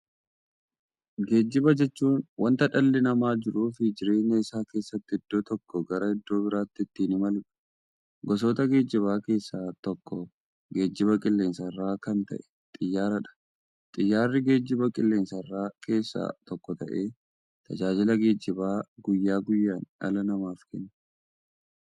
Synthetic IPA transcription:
ɡe̞ːd͡ʒːɪbɐd͡ʒɛt͡ʃːuːnwɐnt̪ɐᶑɐlːɛnɐmaːd͡ʒɪɾuːfɪd͡ʒɪɾe̞ːɲːɐɪsaːkeːsːɐt̪ːɪɪd̪̥ːoːt̪ɔkːɔɡɐɾɐhɪd̪ːo̞ːbɪɾaːt̪ːɪɪt̪ːiːnɪmɐlʊᶑ̥ | ɡɔs̬oːt̪ɐɡe̞ːd͡ʒːɪβaːke̞ːsːaːt̪ɔkːɔ | ɡe̞ːd͡ʒːɪβɐkʼɪlːe̞ːnsɐrːaːkɐnt̪ɐ̰ʔɛ̥t̪ʼɪjːaːɾɐᶑɐ̥ | t̪ʼɪjːaːrːɪɡe̞ːd͡ʒːɪbɐkʼɪlːe̞ːnsɐrːaːkʰe̞ːsːa̰ːt̪ɔkːɔt̪ɐ̰ʔe̞ː | t̪ʰɐd͡ʒaːd͡ʒɪlɐɡe̞ːd͡ʒːɪbaːɡʊjːaːɡʊjːaːnɐ̰lɐnɐmaːfkɛnːɐ̥

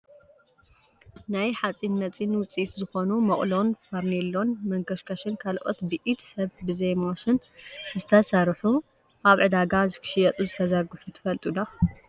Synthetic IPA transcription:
najħat͡sʼinmɐt͡sʼinwʊt͡sʼːiszɨxo̞numɐχʼlo̞nfaɾnelːo̞nmɐŋɡɐʃkʰaʃɨnkʰalʔo̞̰t̪bɨʔit̪sɐβbɨzejmaʃɨnzɨt̪ʰɐsɐɾħu | ʔaβʕɨd̪aɡazɨkʰɨ̥ʃɪjɐt̪ʼuzɨt̪ʰɐzɐɾɡuħut̪ʰɨ̥fɐlt̪ʼud̪a

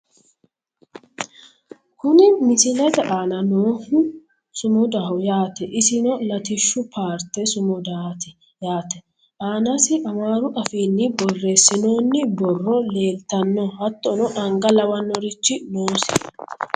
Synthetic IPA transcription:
kʊnɪmɪsɪlɐd̪ɐʔaːnɐnoːhʊ | sʊmʊd̪aːʊjaːt̪ɛʔɪsɪnɔlɐt̪ɪʃːʊpaːɾt̪ɛsʊmʊd̪aːt̪ɛ | jaːt̪ɛ | ʔaːnɐsɪʔɐmaːɾʊʔɐfiːlːɪbɔrːe̞ːsːɪnoːnːɪbɔrːɔle̞ːlt̪ɐnːɔhɐt̪ːɔnɔᶑɐŋɡɐlɐwɐnːɔɾɪt͡ʃːɪnoːsɪ̥

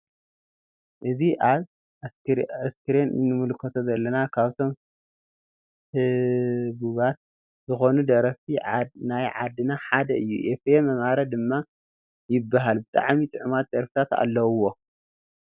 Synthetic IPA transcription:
ʔɨziʔaβ | askʰɨɾennːɨmɨlkʰɐt̪ʰozɐlːɐnakʰaβt̪ʰo̞m | hɨβuβat̪̚ | zɨxo̞nud̪ɐɾɐft̪inajʕa̰d̪ɨnaħad̪ɐɨjːṵʔefemɐmaɾɐd̪ɨmːa | jɪbːaɦalbɨt̪ʼa̰ʕmit̪ʼɨʕumat̪̚d̪ɐɾfi̥t̪ʰat̪a̰lːɐwwːo̞

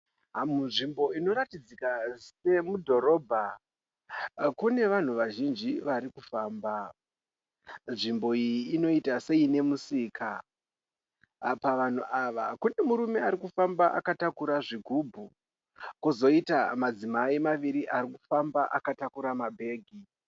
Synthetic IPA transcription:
ɦamunʐimbo̞ino̞ɾatid͡zikase̞mudʱo̞ɾo̞ːbʱa | kune̞ʋan̤uʋaʒind͡ʒiʋaɾikufaːmba | nʐimbo̞ijiːno̞itase̞ine̞musiːkʰa | paʋan̤uʔaʋakune̞muɾume̞aɾikufambaʔa̰katakuɾaʐiɡʱubʱu | kuzo̞itamad͡zimaimaʋiɾiʔaɾikufambaʔakatakuɾamabʱe̞ːɡʱi

